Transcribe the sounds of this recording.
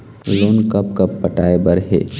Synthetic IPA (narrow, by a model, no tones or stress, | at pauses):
loːnkəpkɐpːəʈaːebəɾɦḛː